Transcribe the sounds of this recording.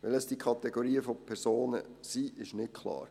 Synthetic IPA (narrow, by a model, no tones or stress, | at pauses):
ʋɪləsd̥ikʰɑt̪ɛɡoɾiːəfɔpʰɛɾsoːnə̰siːɪʃnɪt̚kʰlɑ̰ːɾ